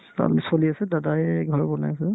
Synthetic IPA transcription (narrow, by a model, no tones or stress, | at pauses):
a̰lsoliasɛdadaɛɡʱɔɹbɔna̰jasɛ